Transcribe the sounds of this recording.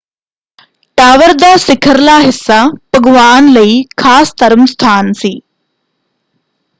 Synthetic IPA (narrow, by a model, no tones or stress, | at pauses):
ʈaːʋəɾd̪aːsɪkʰəɾlaːɦɪsːapəɡʋaːnlɐiːkʰaːst̪ɐɾəmst̪ʰaːnsiː